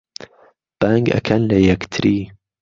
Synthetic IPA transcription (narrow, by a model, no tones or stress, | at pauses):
b̥aŋɡɐ̰kʰɐnlɐjɐkt̪ʰɾiː